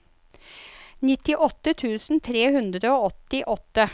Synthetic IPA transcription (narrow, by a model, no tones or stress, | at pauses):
nɪt̪ɪʔɔt̪ːət̪ʰʉːsn̩t̪ʰɾeːhʉnd̪ɾəoːɔt̪ɪʔɔt̪ːə